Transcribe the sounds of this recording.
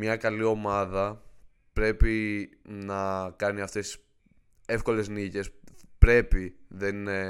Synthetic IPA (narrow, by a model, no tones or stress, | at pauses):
mɲɐkɐlio̞mɐðɐ | pɾe̞pinɐkɐniɐft̪e̞si̥s | e̞fko̞le̞znice̞spɾe̞piðen